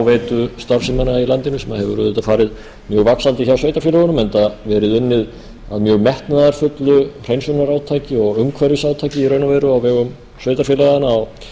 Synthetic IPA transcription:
wvejt̪ʏst̪aɾfsɪmanailant̪ɪnʏsɛmaðhɛvʏɾrœːðɛt̪afaːɾɪð | mjœːɣvaksant̪ɪçawsœɥjt̪aɾfːlaɣʏnʏmɛnt̪avɛːɾɪðʏnːɪð | aðmjœːɣmɛht̪naðaɾ̥fʏt̪lʏr̥ejnsɔnaɾaːwt̪ʰaːjcɪɔɣʏŋkʰvaɾjʏsaːwt̪ʰajcɪiɾœɥnavɛɾʏawvɛːɣʏm | svœːɥt̪aɾfjɪlaɣanaːw

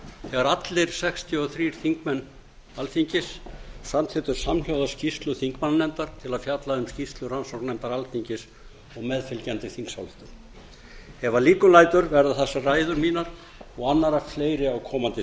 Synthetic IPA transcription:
θɛɣaɾat̪lɪɾ̥sɛkst̪ʰjʏɔθɾiːɾ̥θiŋkmɛnː | alfiɲcɪssamt̪ʰɪt̪ʏɾ̥samhawðascist̪lʏθiŋkmanːnɛmt̪aɾ̥t̪ʰɪlaðfjat̪laʏmscist̪lʏransɔwknɛmt̪aɾalθiɲcɪs | ɔɣmɛðfɪlcɛnt̪ɪθiŋksawðɪ̥t̪ʏm | ɛvaliːkʏlajt̪ʏɾvɛɾðʏθɛsːaraːjðʏɾmiːnaɾ | ɔɣanːaɾafleːjɾɪawkʰɔːmant̪ɪ

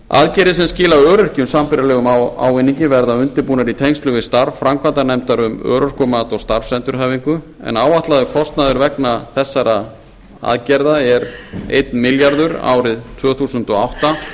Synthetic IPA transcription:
a̰ðcɛɾðɪsɛmscɪːlaœːɾʏr̥cʏmsampɪɾalɛːɣʏmaa̰wvɪnːiɲcɪvɛɾðaʏnt̪ɪɾpuːnaɾit̪ʰejnst̪lʏvɪst̪aɾvfɾamkʰvant̪anɛmt̪aɾʏmœ̰ːɾʏr̥kʏmat̪ɔst̪aɾfsɛnt̪ʏɾ̥ɦaːviŋkʏ | ɛ̰naːwaht̪laðʏkʰɔst̪naðʏɾvɛknaθɛsːaɾa | a̰ðcɛɾðaɛɾḛjt̪nmɪljaɾðʏɾa̰ːwɾɪðt̪ʰvœːθusʏnt̪ɔawht̪a

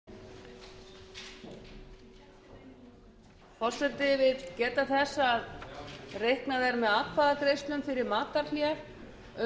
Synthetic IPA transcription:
fɔr̥sɛt̪ɪvɪðcɛːt̪aθɛsːaaðrejhknaðɛɾmɛðaːt̪kʰfaːðakɾejst̪lʏmfɪɾɪɾmaːt̪aɾljaɾ | œ

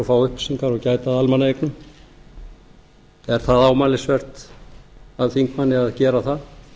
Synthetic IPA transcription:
ɔfaːwʏhpsiŋkaɾɔɣcaːjt̪aðalmanaejknʏm | ɛɾ̥θaðaːwmalɪsvɛr̥t̪ | aðθiŋkmanːɪaðcɛːɾaθað

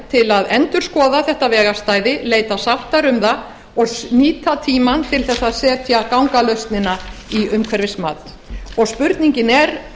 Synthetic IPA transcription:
t̪ʰɪlaðɛnt̪ʏɾ̥skɔːðaθɛht̪avɛːɣast̪aːjðɪleːjt̪asawht̪aɾʏmða | ɔɣsniːt̪at̪ʰiːmant̪ʰɪlθɛsːaðsɛːt̪ʰjakawŋkalœɥst̪nɪnaiʏmkʰvɛɾvɪsmaːt̪ | ɔɣspʏɾt̪niɲcɪnɛɾ

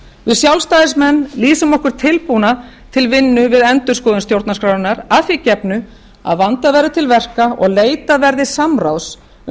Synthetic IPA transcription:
vɪðsjawlst̪aːðɪsmɛnːliːsʏmɔhkʏɾ̥t̪ʰɪlpuna | t̪ʰɪlvɪnːʏvɪðɛnt̪ʏɾ̥skɔːðʏnst̪jowɾt̪naskɾaːwðʏnaɾaficɛpnʏ | a̰ðvant̪avɛːɾðɪt̪ʰɪlvɛr̥kaɔɣleːjt̪avɛɾðɪsamraws

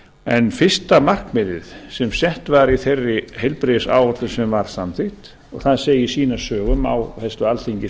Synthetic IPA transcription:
ɛnfɪst̪amar̥kmɪðɪðsɛmsɛht̪vaɾiθerːɪhejlpɾɪðɪsa̰ːwɔt̪lʏsɛmvaɾ̥samθɪht̪ | ɔ̰ɣθaðseːjɪsiːnasœːɣʏma̰whɛst̪ʏalθiɲcɪ

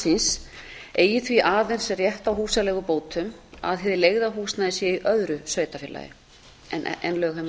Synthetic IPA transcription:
sins | eːjɪθviʔaːðɛn̥srjɛht̪awɦuːsalɛːɣʏpoːwt̪ʏma̰ðɦɛːðɪleːɣðaɦuːsnaðɪsjɛiʔœðɾʏsœːɥt̪afɪlːa̰jɪ̰ | ɛnɛnlœːɣɛm

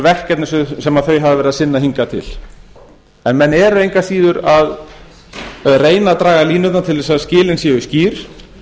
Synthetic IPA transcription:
vɛhcɛt̪nɪsʏsɛmaðθœɥɦavðɪvɛɾɪðasɪnːaɦiŋkat̪ʰɪ̰l̥ | ɛnmɛnːɛɾʏejŋkḁsiːðʏɾað | reːjnat̪ɾaːɣaliːnʏt̪nat̪ʰɪlðɛsaðscɪːlɪnsɛːʏsciːɾ̥

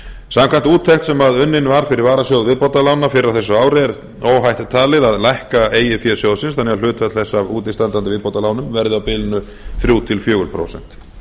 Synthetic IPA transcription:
samkʰajn̥t̪uːt̪ʰːɛht̪sɛmaðʏnːɪnvaɾ̥fɪɾɪɾvaːɾasjowðvɪðpowt̪alaːwnafɪɾɪɾawθɛsːʏaːwɾɪɛɾ | oːwɦajht̪ɪt̪ʰaːlɪðaðlajhkaeːjɪfjɛːsjowðsɪnsθanːɛalʏːt̪vɛt̪θɛsːavuːt̪ɪst̪ant̪ant̪ɪvɪðpowt̪alaːwnʏmvɛɾðɪawpɪːlɪnʏ | θɾjuːt̪ʰɪlfjœːɣʏɾpʰɾo̰wsɛ̰n̥t̪

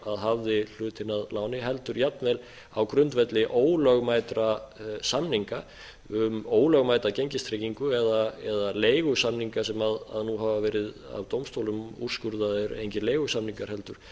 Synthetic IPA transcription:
aðɦavðɪl̥ʏːt̪ɪnaðlaːwnɪɦɛl̪t̪ʏɾjapnvɛl | awkɾʏnt̪vɛt̪lɪʔoːwlœɣmaːjt̪ɾasamniŋka | ʏmoːwlœɣmaːjt̪ɾaceɲcɪst̪ʰɾejciŋkʏɛðaɛðaleːjɣʏsamniŋkasɛmaða̰ðnuɦaːvavɛːɾɪð | a̰vt̪owmst̪owlʏmṵr̥skʏɾðaðɪɾḛjncɪlejɣʏsamniŋkaɾ̥hɛlt̪ʏɾ̥

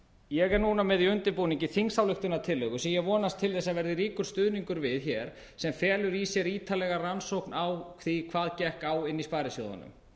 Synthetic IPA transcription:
jɛɣɛɾnuːnamɛðiʏnt̪ɪpuːniɲcɪθiŋsawlʏht̪ʏnat̪ʰɪlːœɣʏsɛmjɛɣvɔːnast̪ʰɪlθɛsːaðvɛɾðɪɾiːkʏɾ̥st̪ʏðniŋkʏɾvɪðçɛɾ̥ | sɛmfɛːlʏɾisjɛɾiːt̪ʰalɛɣaransowhknʔawkθikʰvaːðcɛhkawɪnːispaːɾɪsjowða̰nʏ̰m

